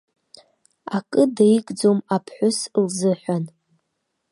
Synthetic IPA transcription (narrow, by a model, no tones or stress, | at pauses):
akʼɨdajikʼd͡zomapʰħʷʊslzɨħʷᶣan